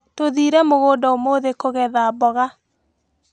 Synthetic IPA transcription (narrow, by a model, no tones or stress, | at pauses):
toðiɾɛmoɣoːdɔomoðekoɣɛðabɔɣa